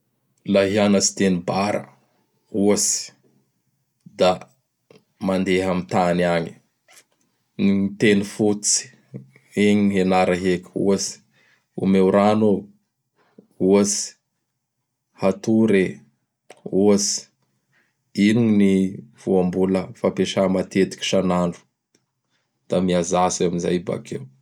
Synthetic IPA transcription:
laɦianasi̥t̪enibaɾə̰ | uəsi̥ | d̪a | mand̪eɦamit̪aniaɲi̥ | nit̪enufut͡si̥ | eɲɦenaɾaɦekṵəsi̥ | ṵmewɾano | uəsi̥ | hat̪uɾe | uəsi̥ | inuɲniv̥uambuləfapeʃamat̪et̪i̥kʲi̥ʃanaɳɖ͡ʐu̥ | d̪̥amiazaseamiza̰jba̰kḛw

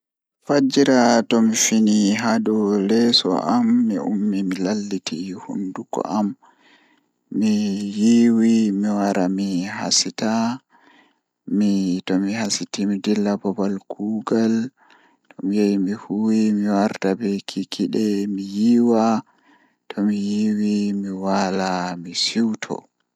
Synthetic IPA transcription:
fad͡ʒiɾatɔmifiniɦaɗɔlɛsɔ̰ʔamːiṵmːimilalːitʰihṵndukɔ̰ʔam | mijiwimiwaɾamiɦa̰sita | mitɔmihasitimidilːabɔbalɡuːɡal | tʰɔmijajimihuwimiwaɾtabɛkʰikʰiɗɛmijiwa | tʰɔmijiwimiwalamisiwtʰɔ̰

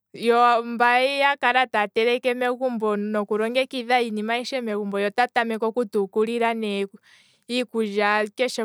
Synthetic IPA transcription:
jɔmbaijakaɾatatɛɾɛkɛmɛɣumbɔnɔkuɾɔŋɡɛkiðainimaiʃɛmɛkumbɔjɔtatamɛkɔkutukuliɾanɛ | ikuʒakɛʃɛ

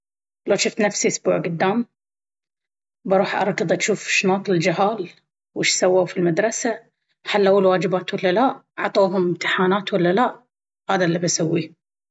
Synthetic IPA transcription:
loʃʊft̪nafsiʔʊsbuːʕɡʊd̪ːaːm | bɑɾˤuːħʔɑɾˤkːɨðˤaʃuːfʃnɑːt̪ˤlɪld͡ʒɪɦaːl | wʔɪʃsawːawfilmad̪ɾˤɑsa | ħalːʔawːalwaːd͡ʒɪbaːt̪walːalaʔ | ʕt̪ˤoːɦʊmɪmt̪ɪħaːnaːt̪walːalaʔ | haːðalːabasawːi

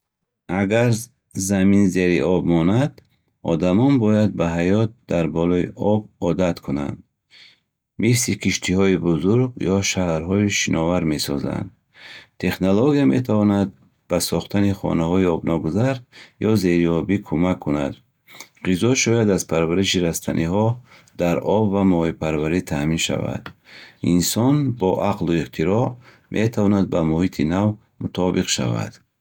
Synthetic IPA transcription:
aɡaɾ | zaminze̞ɾiʔɔbmɔnad̪ | ɔ̰d̪amɔnbɔjad̪̚baɦajɔt̪̚d̪aɾbɔlɔḭʔɔb̚ɔd̪at̪kʰuna̰nd̪ | misikʰiʃt̪ʰihɔibuzuɾɡjɔʃahɾɦɔiʃinʔɔvaɾme̞sɔ̰za̰nd̪ | t̪ʰe̞χnoloɡijame̞t̪ʰavɔnad̪̚ | b̥asɔχt̪ʰaniχɔ̰nahɔiɔbnɔɡuzaɾjɔze̞ɾiɔbikʰumakʰːuna̰d̪ | ʁizɔʃɔjad̪azpʰaɾvaɾiʃiɾast̪ʰanʔiɦɔ | d̪aɾɔbvamɔipʰaɾvaɾit̪ʰaminʃa̰va̰d̪̥insɔnbɔʔaqluiqt̪ʰiɾɔ | mʔet̪ʰavɔnad̪̚bamuhit̪ʰinav | mut̪ʰɔbiqʃa̰va̰d̪̥

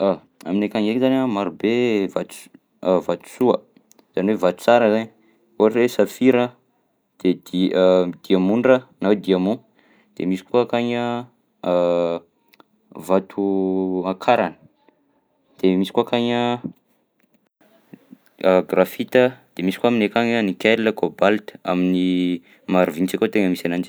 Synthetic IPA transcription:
a | a̰minekaŋekzanʲamaɾubevat̪u̥ | vat̪u̥suə | z̥aniwevat̪u̥t͡saɾəzaɲ | uaɾresafiɾə | d̪̥ed̪id̪̥iamunɖ͡ʐənawed̪iamu | d̪̥emisi̥kuakaɲə | vat̪ʰuakʰaɾanə̥ | d̪̥emisi̥kuakaɲə | ɡrafit̪əd̪̥emisi̥kaaminekaɲənikʲɛɾləkobalt̪ə̥a̰mini | maɾuvint͡sakot̪eŋəmisanand͡ʒi̥

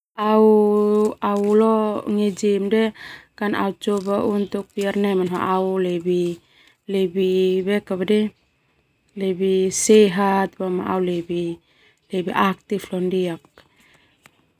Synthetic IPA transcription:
au | aulɔŋɛd͡ʒimdɛkanʔa̰ut͡ʃɔbaʔunt̪uk̚piaɾnɛmanɦa̰ʔaulɛbi | lɛbibɛkaβadɛ | lɛbisɛɦat̪̚bama̰ʔa̰wlɛbi | lebiʔak̚t̪iflɔndiak̚

